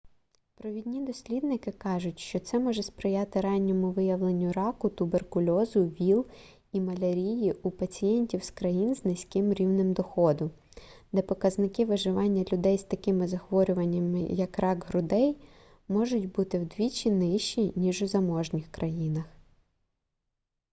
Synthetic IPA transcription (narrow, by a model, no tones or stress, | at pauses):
pɾɔʋʲid̪ʲnʲid̪ɔsʲlʲid̪̚nɪkɪkɑʒʊtʲʃt͡ʃɔt̪sɛmɔʒɛspɾɪjɑt̪ɪɾɑnʲːɔmʊʋɪjɐʋlˠenʲːʊɾɑkʊt̪ʊberkʊlʲɔzʊʋʲilˠ | imɐlʲɐɾʲijiʔupɐt͡sʲijɛnʲtʲiwskɾɐjinznɪsʲkɪmɾʲiwnɪmd̪ɔxɔd̪ʊ | d̪ɛpɔkɐznɪkɪʋɪʒɪʋɑnʲːɐlʲʊd̪ɛjst̪ɐkɪmɪzɐxʋɔɾʲʊʋɐnʲːɐmɪ̰jɐkɾɑɡɦɾʊd̪ɛj | mɔʒʊtʲbut̪ɪwd̪ʋʲit͡ʃʲinɪʃt͡ʃinʲiʒʊzɐmɔʒnʲɪxkɾʔɐjinɐx